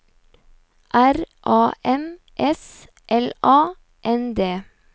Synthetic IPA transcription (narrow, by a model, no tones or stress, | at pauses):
ʔæɾʔɑːʔɛm | ʔɛs | ʔɛlɑː | ʔɛnd̪eː